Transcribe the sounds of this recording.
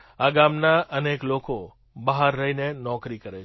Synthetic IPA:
aɡamnaʔənekloko | bəɦaɾːəɦinenɔkɾikəɾet͡ʃʰ

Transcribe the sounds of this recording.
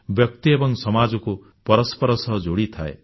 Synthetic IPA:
bjɔk̚t̪iebɔŋsɔmad͡ʒɔku | pɔɾɔspɔɾɔsɔɦd͡ʒoɽit̪ʰaḛ

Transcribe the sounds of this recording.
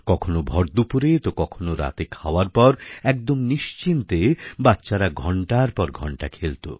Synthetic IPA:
kɔkʰonobʱɔɾd̪upuɾet̪okɔkʰonoɾa̰t̪ekʰa̰waɾpɔɾɛk̚d̪omniʃt͡ɕint̪ebatːɕaɾaɡʱɔɳʈaɾpɔɾɡʱɔɳʈakʰelt̪o̰

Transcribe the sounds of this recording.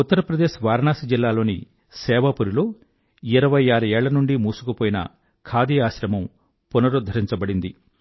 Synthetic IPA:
ut̪ːɐɾɐpɾɐd̪e̞ːʃʋaːɾɐɳaːsid͡ʒilːaːlo̞ːni | sɛːʋɐpuɾilo̞ː | iɾɐʋɐjaːɾueːɭːɐnuɳɖimuːsu̥kɐpoːjinɐ̰ | kʰaːd̪iːaːʃɾɐmɐm | punɐɾud̪ʱːɐɾiɲt͡ʃɐbɐɽind̪i

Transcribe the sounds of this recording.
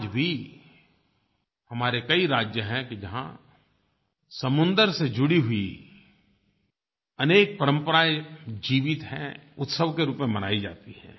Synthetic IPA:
d͡ʒbʱi | hɐmaːɾekɐiɾaːd͡ʒjəɦɛ̃kid͡ʒɐɦã̰ | sɐmʊ̃nd̪əɾsed͡ʒʊɽiɦʊi | ɐneːk̚pɐɾə̃mpəɾaːjd͡ʒiːʋɪt̪ɦɛ̃ʊt̪səʋkeɾuːpmẽmɐnaːid͡ʒa̰ːt̪iɦɛ̰̃ː

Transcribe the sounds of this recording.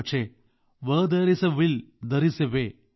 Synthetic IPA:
t͡ʃʰe | ʋəd̪ɐɾisɐʋild̪ɐɾiseʋe

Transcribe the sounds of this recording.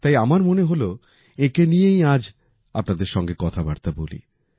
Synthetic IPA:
t̪ajamaɾmoneɦolo | ekenijejad͡ʑ | apnad̪eɾʃɔŋɡekɔt̪ʰabaɾt̪abolḭ

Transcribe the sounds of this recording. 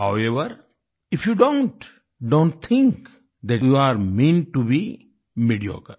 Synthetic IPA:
haʊeʋəɾ | ɪfjuːɖõɳʈ | ɖõːɳʈt̪ʰɪ̃ŋk | d̪ɛjuaɾmẽn̚ʈubi | miɖio̰kə

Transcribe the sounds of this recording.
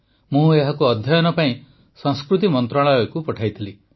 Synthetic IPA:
mũeɦakuɔd̪ʱjajɔnɔpaĩ | sɔ̃ŋskɾut̪imɔnt̪ɾaɭɔjɔkupɔʈʰajt̪ʰili

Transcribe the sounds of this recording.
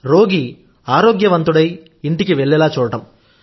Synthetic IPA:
ɾo̞ːɡi | aːɾoːɡjɐʋɐnt̪uɽɐj | iɳʈikiʋɛɭːɛlaːt͡ʃuːɽɐʈɐm

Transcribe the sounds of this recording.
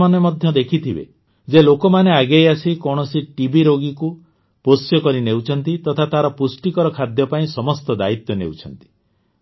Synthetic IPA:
manemɔd̪ʱjɔd̪ekʰit̪ʰibḛ | d͡ʒelokɔmaneaɡejasikɔɽ̃ɔsiʈibiɾoɡiku | posjɔkɔɾinewt͡ʃʰɔnt̪it̪ɔt̪ʰat̪aɾɔpusʈikɔɾɔkʰad̪jɔpaĩsɔmɔst̪ɔd̪ait̪jɔnḛwt͡ʃʰɔnt̪i̥

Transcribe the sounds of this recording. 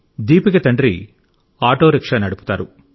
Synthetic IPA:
d̪iːpikɐt̪ɐɳɖɾi | aːʈoːɾikʂɐnɐɽupu̥t̪aːɾu

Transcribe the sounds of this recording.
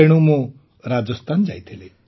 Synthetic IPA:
eɽ̃ũmõ | ɾad͡zəst̪ʰand͡ʒajt̪ʰile

